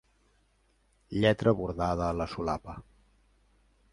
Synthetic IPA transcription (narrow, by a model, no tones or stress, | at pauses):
ʎɛt̪ɾʔəβuɾðaðəːləsulapə